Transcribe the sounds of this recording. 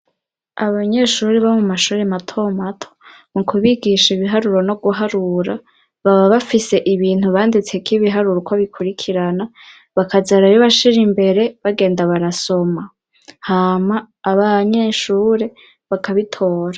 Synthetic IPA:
aβaɲe̞ʃuːɾeβamumaʃuːɾematʰo̞matʰo̥ | mukʰuβiɡiʃiβiɦaɾuɾo̞no̞ɡuɦaɾuɾa | βaβaβafise̞ʔiβiːn̥huβaːndit͡se̞kiβiɦaɾuɾokwaβikʰuɾikʰiɾana | βakʰazaɾajoβaʃiɾimbe̞ɾe̞βaɡe̞ːndaβaɾaso̞ma | haːmaː | βaɲe̞ʃuːɾe̞ | βakʰaβitʰo̞ːɾa

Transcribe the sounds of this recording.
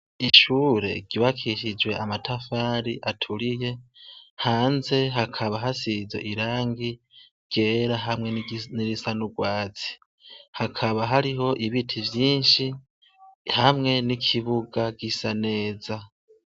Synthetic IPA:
iʃuːɾe̞̰ɡ̥iβakʰiʃid͡ʒwe̞ʔamatʰafaːɾiʔatʰuɾije̞haːnze̞ɦakʰaβaɦasize̞̰ʔiɾaːŋɡi | ɡ̥e̞ːɾaɦamŋe̞niɾisanuɡwaːt͡si̥ | hakʰaβaɦaɾiɦo̞ʔiβitʰivjiːnʃi | hamŋe̞nikʰiβuɡaɡisane̞ːza

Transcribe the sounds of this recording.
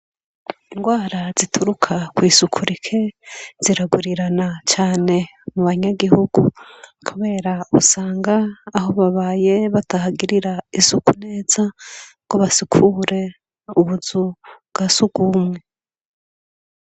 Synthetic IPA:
iŋɡwaːɾazitʰuɾukʰakwiːsukʰuɾikʰe̞z̥iɾaɡuɾiɾanat͡ʃaːne̞muβaɲaɡihuɡṵkʰuβe̞ɾausaːŋɡaːho̞βaβaːje̞βatahaɡiɾiɾaisukune̞ːz̥aɡ̥oβasikʰuːɾe̞ | uβuzubɡ̥asuɡ̥umŋe̞

